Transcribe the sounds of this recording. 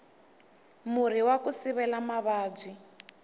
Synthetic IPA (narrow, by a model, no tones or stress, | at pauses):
mur̤iwakusiβɛlamaβaːb͡ʐi